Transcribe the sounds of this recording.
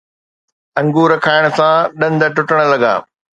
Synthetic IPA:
ɐ̃ŋɡuːɾəkʰaːɪɽ̃ʊ̆sãɗɐ̃nd̪əʈʊʈəɽ̃̆lɐɡa̰ː

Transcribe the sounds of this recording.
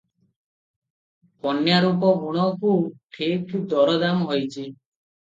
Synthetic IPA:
pɔnjaɾupɔbuɽ̃ɔkuʈʰekʈʰd̪ɔɾɔd̪amɦojt͡ʃʰi

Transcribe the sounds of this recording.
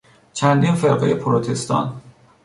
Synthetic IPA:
t͡ʃʰænd̪infeɾɢejepʰoɾot̪ʰe̞st̪ɒ̰n

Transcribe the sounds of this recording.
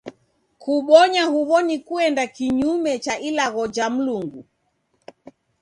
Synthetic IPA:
kuɓɔɲahuβɔnikuɛndakiɲumɛt͡ʃaʔilaɣɔd͡ʒam̩luŋɡu

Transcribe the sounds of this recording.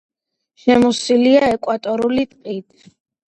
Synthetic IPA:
ʃɛmusiliaɛkʼwat̪ʼɔɾulit̪ʼqʼit̪ʰ

